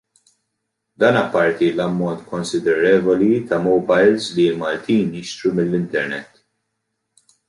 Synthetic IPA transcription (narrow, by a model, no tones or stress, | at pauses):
d̪ɐːnɐpːɐɾt̪ilɐmːɔnt̪kɔnsɪd̪ɛɾɛːvɔlit̪ɐmɔbɐjlzlilmɐlt̪iːnjɪʃt̪ɾumɪlːɪnt̪ɛɾnɛ̰t̪ː